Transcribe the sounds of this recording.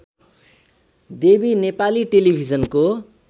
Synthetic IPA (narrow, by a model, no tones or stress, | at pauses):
d̪ebinepaliʈelibʱid͡zʌnko